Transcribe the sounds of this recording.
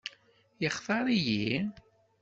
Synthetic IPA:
jəχθɑɾˤiji

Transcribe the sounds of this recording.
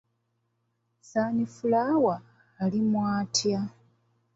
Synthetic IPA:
saːnifulaːwaː | limwaːtʰja

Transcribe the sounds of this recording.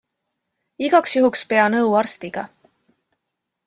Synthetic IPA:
iɡ̥ɑksjuɦukspe̞ɑnɤwɑrst̪iɡ̥ɑ̰

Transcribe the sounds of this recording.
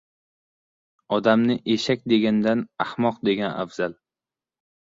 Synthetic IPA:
ɒd̪amnɪʔe̞ʃak̚ʲd̪e̞ɡʲand̪anahmɒq̚d̪e̞ɡʲana̰fz̥al

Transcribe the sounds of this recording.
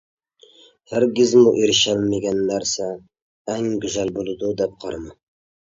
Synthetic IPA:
hæɾɡʲɪzmuʔeɾɪʃɛlmɪɡʲɛnːæɾsɛː | ŋɡʲyzælbolˠɨd̪ud̪ɛp̚qʰɑɾmɨ

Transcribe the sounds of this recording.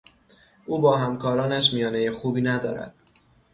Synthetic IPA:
ʔuːbɒːɦæmkʰɒːɾɒːnæʃ̬mijɒːnejexuːbiːnæd̪ɒ̰ːɾæ̰d̪̥̚

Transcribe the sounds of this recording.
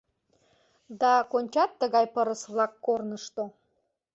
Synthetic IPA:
d̪ɑkonʲt͡ɕɑt̪ːəɣɑjpəɾəsβlɑkːornəʃt̪o

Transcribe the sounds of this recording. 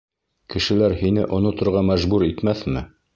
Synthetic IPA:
kɘ̆ʃɘ̆læɾhinɘʔŏnŏt̪ŏɾʁɑmæʒbuɾit̪mæθmɘ

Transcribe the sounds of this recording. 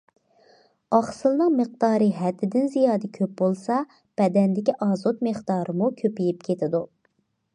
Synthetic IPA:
ɑχsɨlˠnɨŋməq̚d̪ɑːɾɨɦɛt̪ːɪd̪ɪnzijɑːd̪ɛkʲʰøp̚bolˠsɑ | b̥ɛd̪ɛnd̪ɪkʲiʔɑːzot̪meχd̪ɑːɾɨmukʲʰøpijip̚kʲʰet̪ʰɪd̪u

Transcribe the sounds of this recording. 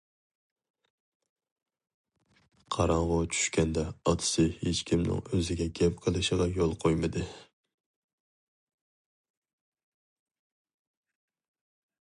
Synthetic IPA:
qʰɑɾɑɴʁʊt͡ʃʰy̥ʃkʲɛnd̪ɛɑt̪ʰɨ̥sɨhet͡ʃkʲʰimnɪ̰ŋøzɪɡʲɛɡʲɛp̚qʰəlˠɨʃəʁɑjolˠqʰojmɨd̪ɨ

